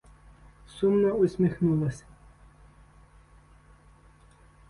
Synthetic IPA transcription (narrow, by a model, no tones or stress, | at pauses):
sumnɔʊsʲmixnulˠɔsʲ